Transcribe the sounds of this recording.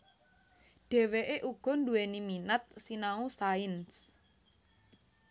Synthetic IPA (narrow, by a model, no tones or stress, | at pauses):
ɖ̥ɛ̤weʔeʔuɡ̥ɔ̤nduweniminət̪̚sinausaɪns